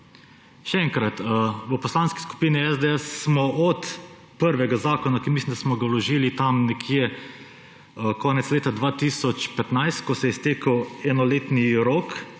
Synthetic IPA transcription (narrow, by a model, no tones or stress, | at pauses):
ʃɛɛŋkɾat̪ʋəpɔslaːnski̥sku̥piːniɛzd̪eɛsːmɔʔɔt̪ | pəɾʋɛɡazaːkɔnakinmislimd̪asmɔɡawlɔʒiːlit̪amnɛkʰjɛ | kɔːnɛt̪sleːt̪ad̪ʋaːt̪iːsɔt͡ʃpɛt̪najst̪kɔsɛjɛst̪eːkəwɛnɔleːt̪niɾok